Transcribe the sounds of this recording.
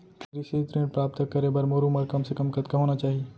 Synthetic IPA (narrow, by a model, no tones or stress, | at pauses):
ɾɪʃet̪ɾẽːɳɖ̚pɾaːp̚t̪əkːɐɾẽbɐɾmoːɾuməɾkɐmsekɐmkɐt̪kaɦoːnat͡ʃaːɦie